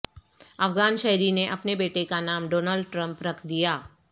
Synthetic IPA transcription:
ɐfɡaːnʃɛɦɾineʔɐpnebeːʈekanaːmɖoːnəlɖʈɾə̃mpɾɐkʰd̪ijaː

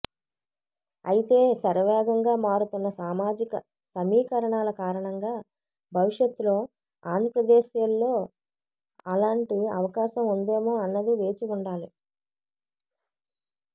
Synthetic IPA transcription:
ɐjit̪e̞ːsɐɾʋaːɡɐŋɡaːmaːɾut̪unːɐsaːmaːd͡ʒikɐ | sɐmiːkɐɾɐɳaːlɐkaːɾɐɳɐŋɡaː | bʱɐʋiʂjɐt̪ːulo̞ː | aːnd̪ʱɾɐpɾɐd̪eːʃjlːo̞ː | ɐlaːɳʈiɐ̰ʋɐkaːʃɐmund̪e̞ːmoːɐnːɐd̪iʋe̞ːt͡ʃiuɳɖaːli

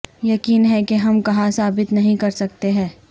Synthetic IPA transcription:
jɐkiːnɦɛ̃keɦɐmkɐɦasaːbɪt̪nɐɦĩkɐɾsɐk̚t̪eɦɛ̃ː

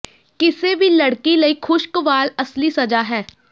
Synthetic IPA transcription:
kɪsebʱiləɽkilɐikʰʊʃkʋaːlɐslisɐd͡ʒaɦɛː

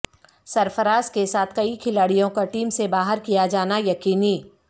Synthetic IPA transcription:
sɐɾfɐɾaːzkesaːt̪ʰkɐikʰɪlaːɽijõkaʈiːmsebaːɦəɾkijad͡ʒaːnajɐkiːniː

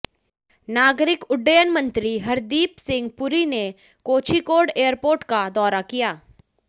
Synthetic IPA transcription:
naːɡɾɪkʊɖːejənmə̃nt̪ɾiɦɐɾd̪iːpsɪ̃ŋɡ̚pʊɾine | koːt͡ʃʰikoːɾɖeːjəɾpoːɾʈkad̪ɔːɾakijaː

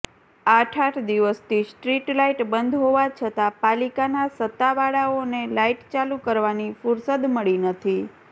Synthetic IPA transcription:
aʈʰaʈʰd̪iʋəst̪ʰisʈɾiʈlaiʈbənd̪ʱɦoʋat͡ʃʰət̪apalikanasət̪ːaʋaɭaonelaiʈt͡ʃalukəɾʋanifʊɾsəd̪məɭinət̪ʰi

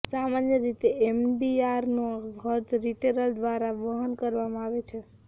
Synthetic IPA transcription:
samanjəɾit̪eemɖiaɾnoɦəɾd͡ʒɾiʈeɾəld̪ʋaɾaʋəɦənkəɾʋamãaʋet͡ʃʰe

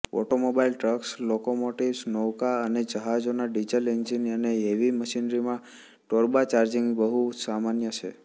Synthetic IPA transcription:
ɔ̰ʈomobailʈɾəkslokomoʈiʋsnɔwkaəned͡ʒəɦad͡ʒonaɖid͡ʒəlend͡ʒinəneɦeʋiməʃinɾimã | ʈoɾbat͡ʃaɾd͡ʒĩŋɡbəɦusamanjət͡ʃʰḛ

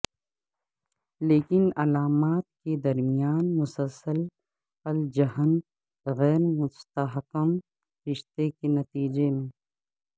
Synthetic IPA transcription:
leːkɪnɐlaːmaːt̪̚ked̪ɐɾmijaːnmʊsəlsəl | ɐld͡ʒɐɦən | ɣɛːɾmʊst̪əɦkəm | ɾɪʃt̪ekenɐt̪iːd͡ʒemẽː

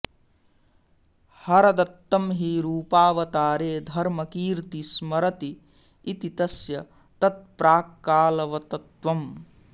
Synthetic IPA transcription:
hɐɾɐd̪ɐt̪ːɐmɦiɾuːpaːʋɐt̪aːɾeːd̪ʱɐɾmɐkiːɾt̪ismɐɾɐt̪iː | t̪it̪ɐsjɐ | t̪ɐt̪̚pɾaːkːaːlɐʋɐt̪ɐt̪ʋɐm

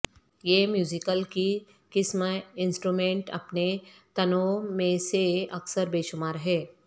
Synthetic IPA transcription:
jeːmjuːzɪkəlki | kɪsməɪ̃nsʈɾumẽːɳʈɐ̰pnet̪ɐnõmẽseɐksəɾbeːʃʊmaːɾɦɛː

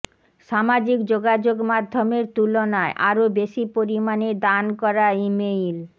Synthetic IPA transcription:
ʃamad͡ʑikd͡ʑoɡad͡ʑoɡmad̪ʱːomeɾt̪ulonaeʔaɾobeʃipoɾimaned̪ankɔɾaimejl

